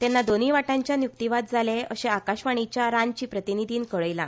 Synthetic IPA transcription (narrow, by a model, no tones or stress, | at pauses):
t̪ɛnːad̪oniːʋaʈãɲt͡ɕjanjuk̚t̪iʋad̪̚d͡zʱaleəɕeakaɕʋaɽ̃it͡ɕjaɾant͡ɕiːpɾət̪inid̪ʱiːnkəɭəjlã̰